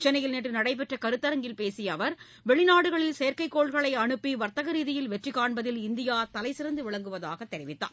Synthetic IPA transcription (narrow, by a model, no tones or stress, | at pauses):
t͡ʃɛnɐjɪlneːʈːrɯnɐɽɐɪp̬ɛʈrɐkɐɾɯt̪ːɐɾɐŋɡɪlpeːsɪjɐʋɐɾ | ʋɛɭɪnaːɽɯɣɐɭɪlsejɐɾkɐɪkːoːɭɣɐɭɐɪɐɳɯpːiʋɐɾt̪ɐɣɐɾiːðɪjɪlʋɛʈrikːaːɳbɐðɪlɪnd̪ɪjaːt̪ɐlɐɪsɪɾɐnd̪ɯʋɪɭɐŋɡɯʋɐða̰ːɣɐt̪ːɛɾɪʋɪt̪ːa̰ː